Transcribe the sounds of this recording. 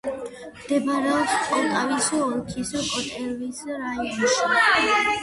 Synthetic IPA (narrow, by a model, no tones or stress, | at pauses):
md̪̥ɛbaɾɛɔpskʼɔt̪ʼavisɔɔlkʰisɔkʼɔt̪ʼɛɾvisɾaiɔnʃi